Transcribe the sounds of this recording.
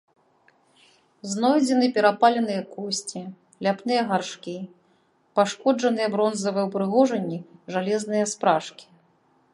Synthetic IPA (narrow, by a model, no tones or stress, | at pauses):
znɔjd͡zʲɛnɨpʲɛɾapalʲɛnɨjɐkɔsʲt͡sʲi | lʲapnɨjɐɣarʂkʲi | paʂkɔd͡ʐɐnɨjɛbɾɔnzɐvɨjɛwpɾɨɣɔʐɐnʲːiʐalʲɛznɨjɐspɾaʂkʲi̥